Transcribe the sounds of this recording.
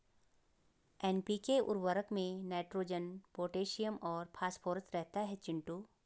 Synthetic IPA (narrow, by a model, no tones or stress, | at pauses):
ɛːnpiːkeʔʊ̰ɾʋəɾəkmẽnaːʈɾoːd͡ʒənpoːʈeːʃijəmɔːɾpʰaːspʰoːɾsɾɛɦt̪aɦɛt͡ʃɪ̃ɳʈuː